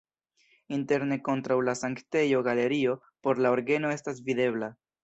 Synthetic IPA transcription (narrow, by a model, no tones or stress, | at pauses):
inte̞ɾne̞ko̞ntɾawlasaŋkte̞jo̞ɡale̞ɾio̞ | po̞ɾlao̞ɾɡe̞no̞e̞stasvid̪e̞bla